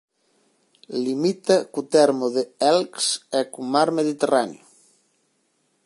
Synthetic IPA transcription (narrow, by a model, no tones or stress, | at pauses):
limit̪ɐkut̪ɛɾmoðeɛlksekumaɾmeðit̪eranjo